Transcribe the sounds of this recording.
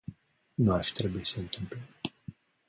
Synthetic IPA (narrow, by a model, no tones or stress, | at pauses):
nuarfi̥t̪ɾe̞buisəɨnt̪ɨmple